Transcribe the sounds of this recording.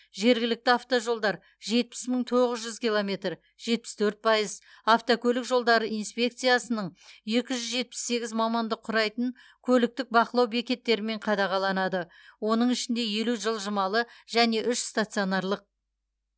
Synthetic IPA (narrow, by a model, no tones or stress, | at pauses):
ʒe̞ɾɡʲɪlɪk̚t̪ɪaft̪oʒo̞lˠd̪ɑɾ | ʒe̞t̪̚pɪ̥sməɴt̪ʰoʁəzʒʏzkʲilˠo̞me̞t̪r | ʒ̥e̞t̪̚pɪ̥st̪ʰɵɾt̪̚pʰɑjəz | aft̪okʲʰɵlɪkʒo̞lˠd̪ɑɾəʔijnspʲe̞k̚t̪sijasənəɴje̞kʲɪʒʏzʒe̞t̪̚pɪ̥sːe̞ɡʲɪzmɑmɑnd̪əqʰʊɾɑjt̪əɴ | kʲʰɵlɪk̚t̪ɪk̚bɑqəlˠɑwbe̞kʲe̞t̪ːe̞ɾɪme̞ɴqʰɑd̪ɑʁɑlˠɑnɑd̪əwo̞nəɴɪʃɪnd̪e̞je̞luʒəlˠʒəmɑlˠəʒæne̞ʔʏʃst̪at̪sijo̞nɑɾlˠəq̚